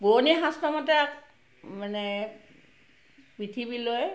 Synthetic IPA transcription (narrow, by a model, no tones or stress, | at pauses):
boniɦastɔmatɛak | manɛ | pɹitʰibiloj